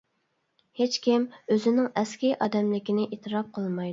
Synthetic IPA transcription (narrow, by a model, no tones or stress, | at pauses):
het͡ʃkʲimøzɪnɪŋɛskʲiʔɑːd̪ɛmlɪkʲɪnɪʔet̪ʰɨɾɑp̚qʰəlˠmɑjd̪u